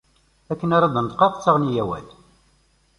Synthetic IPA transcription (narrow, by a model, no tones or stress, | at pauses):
ækːənaɾˤɑd̪ˤənt̪qɑqt͡sːɑʁnijæwæ̰l